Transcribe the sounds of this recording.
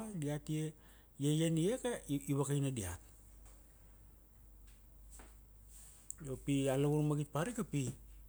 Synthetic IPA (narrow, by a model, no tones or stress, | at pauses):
diatie | jejeniekaiβakajnadia̰t̚ | jopialaβuɾmaɡit̚paɾikapi